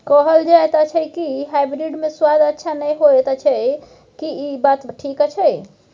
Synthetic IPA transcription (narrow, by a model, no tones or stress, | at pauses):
kɔɦəld͡ʒaet̪at͡ʃʰɛkiɦabɾiɖmeswad̪ətːʃʰanɛjɦoɛt̪at͡ʃʰɛ | kiibat̪ʈʰikt͡ʃʰɛj